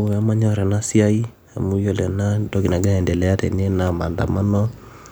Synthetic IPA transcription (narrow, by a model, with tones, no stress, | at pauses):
a˦ma˦ɲɔ˦ɾɛ˨na˦sja˦i˦ | a̰˨mu˦jo˦lɛ˨na˦do˦ɡi˨na˨ɡa˦ɛ˨ndɛ˨lɛ˨˦a˦tɛ̰˨ne˦na˨ma˨nda̰˨ma˦nɔ˦